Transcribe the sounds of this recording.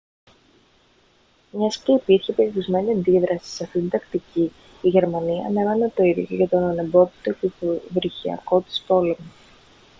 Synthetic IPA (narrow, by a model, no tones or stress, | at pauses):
mɲɐsce̞ipiɾçe̞peɾiɾizme̞niɐnd̪iðɾʔɐsi̥sɐft̪it̪ind̪ɐkt̪ici | iʝe̞ɾmɐniɐːnevɐnet̪oiðoʝɐt̪o̞nɐnebo̞ðit̪ocevɾiçiɐ̰ko̞t̪i̥spo̞le̞mo